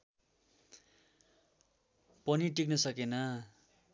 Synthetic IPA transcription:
pʌniʈiknʌsʌkenʌ

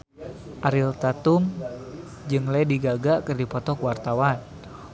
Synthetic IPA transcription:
ʔaɾilt̪at̪um | d͡ʒɨŋlɛdiɡaɡakɨrdipɔt̪ɔkwart̪awan

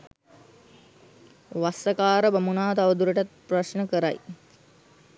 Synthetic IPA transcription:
ʋasəkaːɾəbamunaːt̪aʋəd̪uɾəʈat̪̚prɐʃnəkəɾa̰j

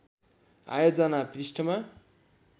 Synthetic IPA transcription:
a̰jod͡zʌnaprisʈʰʌma

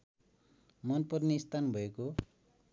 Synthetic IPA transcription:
mʌnpʌrneist̪ʰanbʱʌeko

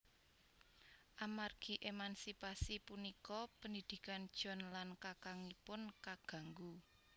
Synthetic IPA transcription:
ʔamarɡ̥i̤ʔemansipasipunikɔpənid̪̥i̤kand̥ʒ̥ɔ̤nlankakaŋipʊnkaɡ̥ä̤ŋɡu

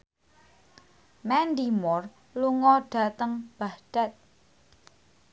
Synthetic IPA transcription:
mɛnd̪imɔr | luŋɔɖ̥a̤t̪əŋb̥ahd̥at̪̚

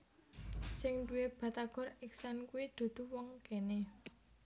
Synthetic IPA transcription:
sɪŋduweb̥a̤t̪aɡ̥ɔ̤rɪksankuwid̪̥o̤d̪̥ṳwɔŋkene

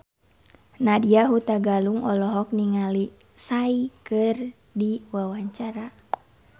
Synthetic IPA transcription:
nadiaɦut̪aɡaluŋɔlɔɦɔk̚niŋali | saikɨr | diwawaɲt͡ʃaɾa

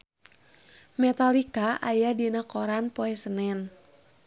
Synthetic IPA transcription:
mɛt̪alikaʔajadinakoɾanpoɛsənɛn

